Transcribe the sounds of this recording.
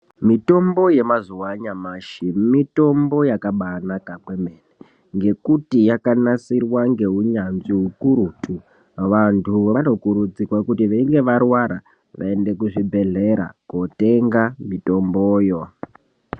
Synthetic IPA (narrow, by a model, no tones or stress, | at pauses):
mito̞mbo̞je̞mazuwaɲamaːʃimito̞mbo̞jakaɓanakakwemene | ŋɡe̞kutijakanasirwaŋɡe̞ɦuɲanʐiɦukuɾuːtʰʼu | ʋantʰuʋano̞kuɾud͡zirwakutiʋaiŋɡe̞ʋarwaɾa | ʋʔa̰e̞nde̞kuʐibʱe̞ɮe̞ɾa̰kote̞ŋɡamito̞mboːjo